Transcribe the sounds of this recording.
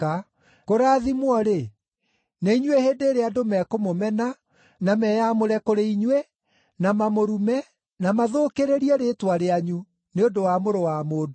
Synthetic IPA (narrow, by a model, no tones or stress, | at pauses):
a | koɾaðimwɔɾe | neiɲweheːndeːɾeadomɛkomomɛna | namɛːjamoɾɛkoɾeiɲwe | namamoɾumɛ | namaðoːkeɾeɾiɛɾeːtwaɾeaɲu | neondowamoɾowamoːdo